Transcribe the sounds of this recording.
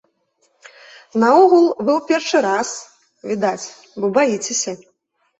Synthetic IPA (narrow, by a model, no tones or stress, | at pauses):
nɐɔɣulˠvɨwpʲɛrʂɨɾas | vʲid̪at͡sʲ | bɔbajit͡sʲesʲɐ